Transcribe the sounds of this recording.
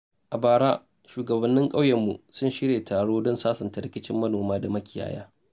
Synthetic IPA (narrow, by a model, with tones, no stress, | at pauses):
ʔa˨baː˨ɽaː˦ | ʃuː˨ɡɐ˨bɐ˨nːɪ˦ŋkʼa˦wjɛ˨mːu˨sʊ˦nʃɪ˦ɽeː˨tʰaː˨ɽoː˦dɔ˦nsaː˦sɐ˨nta˨ɾɪ˦kʲɪ˦t͡ʃɪ˦mːɐ˦noː˨maː˦da˨mɐ˦kʲɪ˨ja̰ː˦ja̰ː˦